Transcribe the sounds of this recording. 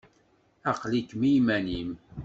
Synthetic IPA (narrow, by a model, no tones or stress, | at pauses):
ɑqlikːmijmænim